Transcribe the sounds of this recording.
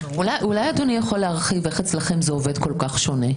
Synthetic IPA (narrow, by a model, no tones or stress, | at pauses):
ulajulajad̪onijaχolːeaʁχiveχet͡slaχe̞mzeove̞d̪ko̞lkaχʃo̞ne